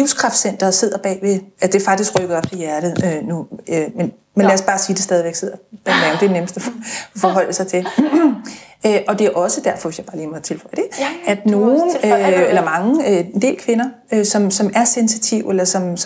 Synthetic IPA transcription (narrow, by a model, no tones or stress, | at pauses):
iʊ̰skʰʁɑ̈fd̥sen̰d̥ɐse̝ð̞̰ˠɐb̥ɛ̰ːʋe̝æd̥e̝ɐfɑ̈ɡ̥d̥isɡ̥ʁœɡ̥əð̩ˠɒ̽b̥̚t͡sʰijæɐɾ̥ð̩ˠønuømen | menlæɒsb̥ɑ̈ːsiːd̥e̝sd̥ɛːð̞ˠiʋeɡ̥se̝ð̰ˠɐb̥ɛ̰nɛʊmd̥e̝neməsd̥æfɒ̽ɦɒ̽l̰əsɑ̈ɪt͡sʰe̝ | øʔɒ̽d̥e̝æʔɒ̽səd̥æɐfɒ̽ʋesjɑ̈b̥ɑ̈ːliːmɒt͡sʰe̝lfɒ̽l̰əd̥e̝æd̥no̝ːn̩øelɐmɑ̈ŋəend̥e̝̰ːlkʰʋe̝nɐ | øsɒ̽msɒ̽mæɐsensit͡sʰiʊ̰elɐsɒ̽ms